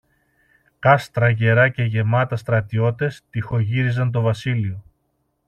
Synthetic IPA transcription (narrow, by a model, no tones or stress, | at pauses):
kɐst̪ɾɐʝe̞ɾɐce̞ʝe̞mɐt̪ɐst̪ɾɐt̪io̞t̪e̞st̪ixo̞ʝiɾizɐnt̪̬o̞vɐsilio̞